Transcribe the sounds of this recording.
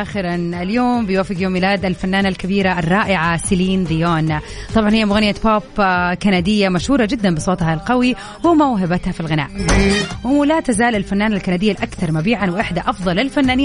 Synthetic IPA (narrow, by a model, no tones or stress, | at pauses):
ʔaːxɪɾanɪljoːmbɪjwaːfːɪɡjoːmːɪlaːd̪alfanːaːnalkɪbiːɾaʔɪrˤːɑːʔɪʕasɪliːnd̪ɪjoːnt̪ˤɑbʕɑnhɪjːamʊɣanjːapoːpkanad̪ɪjːamaʃhuːɾˤɑd͡ʒɪd̪ːanmbɪsˤoːt̪halqɑwi | wɪmawɦɪbat̪hafilɣɪna̰ːʔwlat̪azaːlɪlfanːaːnalkanad̪ɪjːalʔakθɑɾˤmabiːʕanwʔɪħd̪aʔɑfðˤɑlɪlfanːaːnɪː